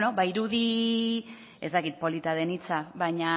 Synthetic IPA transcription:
no̞baiɾuði | ezt̪akit̪̚po̞lit̪aðe̞nit͡saβajɲa

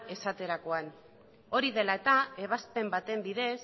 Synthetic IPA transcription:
e̞sat̪e̞ɾako̞an | o̞ɾiðe̞laet̪ae̞β̞aspe̞mbat̪e̞mbiðe̞s

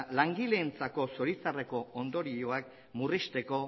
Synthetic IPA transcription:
laŋɡilent͡sako̞so̞ɾit͡sare̞ko̞ond̪o̞ɾio̞ak̚ | murist̪e̞ko̞

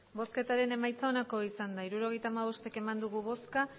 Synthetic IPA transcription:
bo̞ske̞t̪aɾe̞ne̞majt͡sao̞nako̞isand̪aiɾuɾo̞ɣ̞e̞jt̪aːmaβ̞o̞st̪e̞ke̞mand̪uɣ̞uβo̞ska

